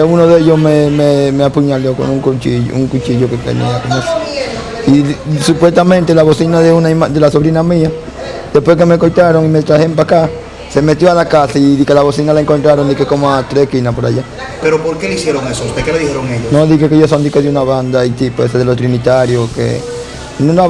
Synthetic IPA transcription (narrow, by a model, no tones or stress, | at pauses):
unoðeʝosmememeapuɲaljoko̰nuŋkut͡ʃiʝ̰ṵŋkut͡ʃiʝokekḛnḭakonose | isupwe̞st̪amẽnt̪elaβosinaðeunaimad̪elaso̞βɾinamĩa | d̪̥e̞spwesk̬eme̞kojt̪aɾo̞ŋimet̪ɾahempaka | se̞me̞t̪joalakasaiðikelaβosinalaeŋko̞nt̪ɾaɾo̞nd̪ikekomoat̪ɾekinapoɾa̰ʝa | pe̞ɾopoɾkelisjeɾoŋesost̪ekeleðixeɾoŋeʎonoðixekeʝos̬ond̪ikoðeunaβand̪ait̪ipoeseðelot̪ɾinit̪aɾjokḛ | nũna